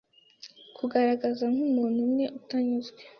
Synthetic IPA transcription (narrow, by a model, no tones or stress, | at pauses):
kʰuɡaɾaɡazaŋhumuːn̥humne̞ʔutaɲuzɡwe